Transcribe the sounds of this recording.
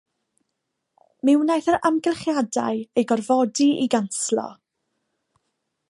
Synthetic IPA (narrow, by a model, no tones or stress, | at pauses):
mɪwnajθəɾamɡɛlˠχjada̰ɨejɡɔrvɔdiḭɡanslˠɔ̰